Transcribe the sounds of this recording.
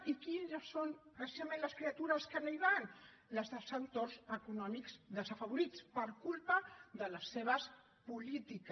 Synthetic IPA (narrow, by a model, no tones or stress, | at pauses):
ikinʒəsːonpɾəsizamẽnləskɾiat̪uɾəskənoiβan | ləzðəsawt̪ozəkunɔmikz̥ðəzəfəβuɾit͡spəɾkulpəðələsːeβ̞əs | pulit̪ik